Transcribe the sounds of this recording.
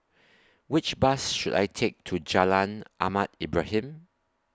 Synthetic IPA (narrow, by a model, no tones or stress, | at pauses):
wɪt͡ʃbasʃuda̰jtʰek̚tʰud͡ʒalãnʔamatibɹahĩm